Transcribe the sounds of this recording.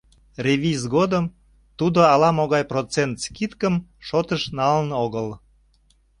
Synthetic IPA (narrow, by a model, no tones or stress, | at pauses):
rʲevʲizɣod̪əm | t̪ud̪oɑlɑmoɣɑjprot͡sent̪skit̪kəmʃot̪əʃnɑlənoɣəl